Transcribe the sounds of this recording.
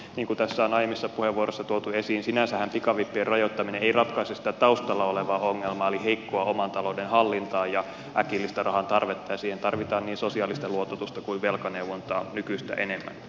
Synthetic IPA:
niːŋkut̪æsːæonɑjemisːɑpuheʋːuoɾosːɑt̪uot̪uesiːnsinænsæhæmpikɑʋipːierɑjot̪ːɑmineeirɑt̪kɑisesit̪æt̪ɑust̪ɑlːɑoleʋɑːoŋːelmɑːoliheikːoɑomɑnt̪ɑlo̞denhɑlːint̪ɑːjjɑ | ʔæ̰kilːist̪ɑrʔɑɦɑnt̪ɑrʋet̪ːɑjɑsiːhent̪ɑrʋit̪ɑːnniːnsosiɑːlist̪ɑluot̪ɑt̪ust̪ɑkuiʋʋelkɑnewʋont̪ɑːnykyst̪æ̰ʔḛnemːæ̰n

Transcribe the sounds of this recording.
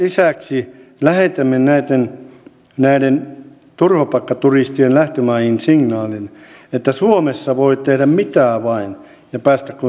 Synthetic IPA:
lisæˑksilæhet̪æmːennæit̪ːen | næiden | t̪urʋɑpɑkːɑt̪urist̪ienlæht̪ømɑihinsiŋnɑːlin | et̪ːæsuomesːɑʋoit̪ehɾæmmit̪æːʋɑin | jɑpæːst̪ækku

